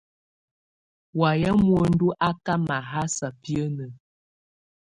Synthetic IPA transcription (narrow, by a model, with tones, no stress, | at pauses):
wa˨jɛ˦mwə˨n̩˦du˦ʔa˦ka˦ma˨ɦa˦sa˨pi˦ə˦nə˨